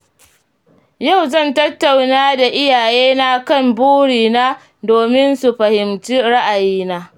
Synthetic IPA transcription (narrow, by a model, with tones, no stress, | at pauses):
ja˦˨wzɐ˦˨ntɐ˦tːa˨wnaː˦da˨ʔɪ˦jaː˨jeː˦na˦kɐ˦˨mbuː˦ɽiː˨naː˦ | doː˨mɪ˦nsu˨ɸɐ˨hɪ˨mt͡ʃiː˦ɽa˦ʔa˨jiː˦naː˦